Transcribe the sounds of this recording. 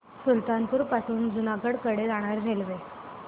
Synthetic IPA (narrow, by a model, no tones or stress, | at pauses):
sult̪anpuːɾpasuːnd͡zunakəɽkəɽed͡zaɽ̃aɾɾʱelʋe